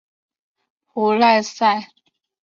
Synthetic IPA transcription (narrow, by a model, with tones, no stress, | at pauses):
xu˧˦la˥˧ɪsa˥˨ɪ